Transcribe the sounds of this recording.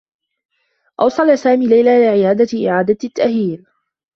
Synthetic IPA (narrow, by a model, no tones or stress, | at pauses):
ʔɑwsˤɑlasaːmiːlajlaːʔlɪʕɪjaːd̪aʔɪ̰ʕaːd̪at̪t̪ːaʔhiːl